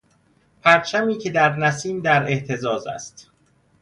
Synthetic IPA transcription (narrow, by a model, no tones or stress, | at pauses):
pʰæɾt͡ʃʰæmiːcʰe̞d̪æɾnæsiːmd̪æɾe̞ʔt̪ʰe̞zɒːzæ̰st̪